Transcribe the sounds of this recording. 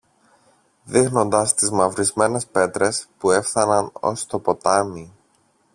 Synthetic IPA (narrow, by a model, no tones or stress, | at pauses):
ðixno̞nd̪ɐst̪izmɐvɾizme̞ne̞spe̞t̪ɾe̞spue̞fθɐnɐno̞̰st̪o̞po̞t̪ɐmi